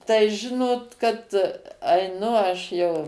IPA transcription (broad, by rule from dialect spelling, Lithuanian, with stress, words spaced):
tɐɪ ˈʒʲɪnoːt kɐt ɐɪˈnʊ ˈɐʃ jɛʊ